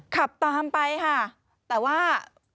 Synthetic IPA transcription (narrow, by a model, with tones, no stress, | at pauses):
kʰa˨˩p̚t̪aː˧mpa˧jkʰa˥˩ | t̪ɛː˨˩waː˥˩